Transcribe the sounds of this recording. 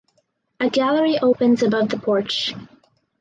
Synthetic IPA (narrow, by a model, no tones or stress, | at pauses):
ɨɡælˠə˞iʔoʊpɨ̃nzɨbʌvðəpʰɔɹt͡ʃ